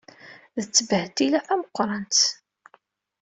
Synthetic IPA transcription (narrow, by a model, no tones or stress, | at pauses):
ðət͡sːəbəht̪ilæθæməqʷːɾˤɑnt̪